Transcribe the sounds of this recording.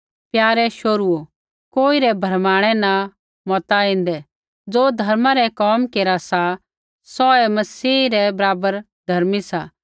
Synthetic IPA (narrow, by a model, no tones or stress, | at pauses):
pjaːɾɛʃoːɾuo | koːiɾɛbʱɐɾmaːɽ̃ɛna | mɔt̪aĩnd̪ɛ | d͡zoːd̪ʱɐɾmãɾɛkɔːmkeːɾasa | sɔɛmɐsiːɾɛbɐɾaːbəɾ | d̪ʱɐɾmisaː